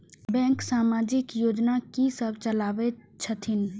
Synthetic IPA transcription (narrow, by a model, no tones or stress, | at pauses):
bɛ̃ːŋksaːmaːd͡ʒɪkjoːd͡ʒnakisəbʱt͡ʃəlaːʋet͡ʃʰət̪ʰɪn